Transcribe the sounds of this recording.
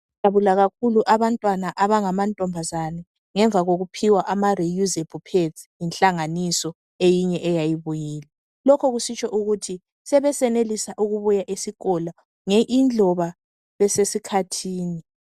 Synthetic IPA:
jaβulaɣakʰuluʔaβantʼwanaʔaβaŋamantʼɔmbʱazanɛ | ŋɛɱvʱaɣoɣupʰiwaʔamarijuzebʰupʰetjinɬʼaŋanisɔ | ejiɲɛʔɛjajiβujiːlɛ | lɔkʰɔɣusit͡ʃʰʼɔʔuɣutʰi | sɛβɛsɛnelisaʔuɣuβujaʔisiɣɔla | ŋɛʔind͡ɮʱɔβa | βɛsesikʰatʰiːni

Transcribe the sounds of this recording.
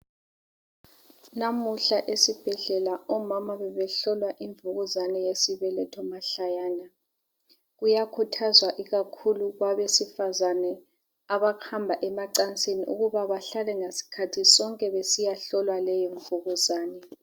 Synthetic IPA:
namuɬaʔesib̥ʱɛɮɛlaɔmamaβɛβɛɬɔlwaʔiɱvuɣuzanɛjesiβɛlɛtʰɔmaɬajaːna | ɣujakʰutʰazwaʔiɣakʰuluɣwaβesifazanɛ | aβaɣhambʱaʔɛmaǀant͡sʼeniʔṵɣuβaβaɬalɛŋesi̥kʰatʰisɔŋkʼɛβesijaɬɔlwalɛjɔɱvuɣuzaːnɛ

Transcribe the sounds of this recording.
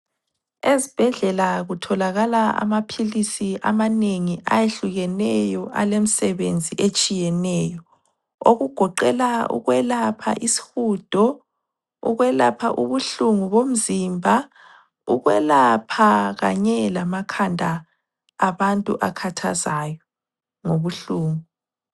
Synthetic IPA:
ezib̥ʱɛɮɛlaɣutʰɔlaɣalaa̰mapʰilisiʔa̰maneŋiʔa̰jeɬuɣɛnɛjɔʔalem̩sɛβend͡zʱiʔet͡ʃʼijɛnɛjɔ | oɣuɡ̥ʱɔǃɛlaṵɣwɛlapʰa̰ʔisi̥huːd̥ʱɔ | ṵɣwɛlapʰa̰ʔuβuɬuŋuβom̩zimbʱa | uɣwɛlapʰaɣa̰ɲɛlamakʰandʱaː | βantʼṵʔakʰatʰa̰zaːjɔ | ŋoβuɬuːŋu

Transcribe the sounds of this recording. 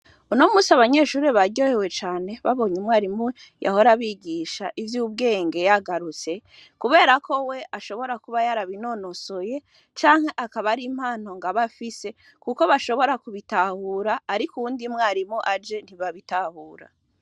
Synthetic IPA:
unomuːsiaβaɲe̞ːʃuːɾeβaɟo̞hewe̞t͡ʃaːne̞βaβo̞ːɲemŋaːɾimu | ja̰ho̞ɾaβiɟiʃaʔivjuːb̚ɡe̞ːŋɡe̞jaɡaɾut͡se̞ | kuβe̞ːɾakʰo̞we̞ʔaʃo̞βo̞ɾakuβajaɾaβino̞no̞so̞je̞ | t͡ʃaːŋhe̞ʔakaβaɾim̥haːn̥o̞ŋɡaβafise̞ | kuko̞βaʃo̞βo̞ɾakuβitahuːɾaːɾikuwuːndimŋaːɾimuʔad͡ʒe̞n̥hiβaβitahuːɾa̰

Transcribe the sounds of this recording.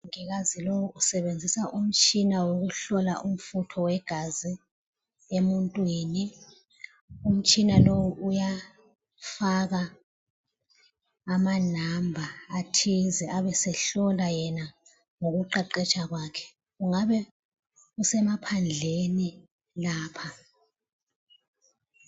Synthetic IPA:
ŋɛɣazilowuusɛβend͡zʱisaʔum̩t͡ʃʼinawoɣuɬɔla̰ʔum̩futʰɔwɛɡ̥ʱazi | emuntʼwiːni | um̩t͡ʃʼinalowuʔuja | faɣa | manambʱaːtʰizɛaβɛsɛɬɔlajɛna | ŋoɣuǃaǃɛt͡ʃʼaɣwaːkʰɛ̥ | uŋaβɛ | usɛmapʰand͡ɮʱeni | laːpʰa

